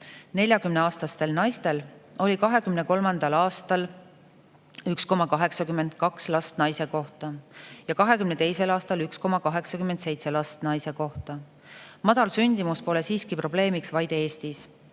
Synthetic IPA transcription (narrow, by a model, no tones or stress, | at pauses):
ne̞lʲjɑkymneɑːst̪ɑst̪e̞lnɑjst̪e̞lo̞lʲikɑɦe̞kymne̞ko̞lmɑnd̪̥ɑlɑːst̪ɑl | yksko̞mɑkɑɦe̞ksɑkyme̞nd̪̥̚kɑkslɑst̪nɑjse̞ko̞ht̪ɑjɑkɑɦe̞kymne̞t̪e̞jse̞lɑːst̪ɑlyksko̞mɑkɑɦe̞ksɑkymend̪̥se̞jt̪se̞lɑst̪nɑjse̞ko̞ht̪ɑ | mɑd̪̥ɑlsynʲd̪̥imuspo̞le̞siːskipro̞ble̞ːmiksvɑjd̪̥e̞ːst̪is